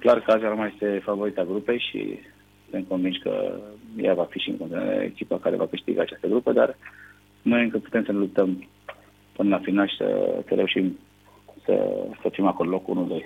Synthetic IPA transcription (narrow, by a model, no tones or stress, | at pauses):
klarkəazaɾmaje̞st̪e̞favo̞ɾit̪aɡɾupe̞jʃḭ | sɨnt̪̚ko̞nvinʃkə̰javafiʃiɨ̰ŋkont̪inwa̰ɾḛḛkʲipakaɾe̞̰vakɨʃt̪ḭɡaːt͡ʃast̪əɡɾupəd̪ar | mɨneɨŋkɨd̪̚pu̥t̪emsənelup̚t̪əm | pɨnəlafinalʃi̥sə̰səɾe̞uʃim | sə̰səfimakollo̞kṵnuld̪o̞j